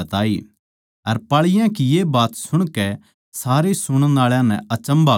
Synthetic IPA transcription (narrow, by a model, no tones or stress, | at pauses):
ɐt̪aːi | ɐɾpaːɭɪjãkijebaːt̪sʊɽ̃kɛ | saːɾesʊɽ̃ənaːɭjãnɛ̰̃ɐt͡ʃə̃mba